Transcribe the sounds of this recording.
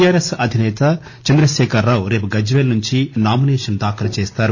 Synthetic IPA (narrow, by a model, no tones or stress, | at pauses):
jaːɾesɐd̪ʱinɛːt̪ɐ | t͡ʃɐnd̪ɾɐʃɛːkʰɐɾaːwɾeːp̬uɡɐd͡ʒʋeːlɐnuɲt͡ʃinaːminɛːʂɐnd̪aːkɐlɐt͡ʃeːst̪aːɾu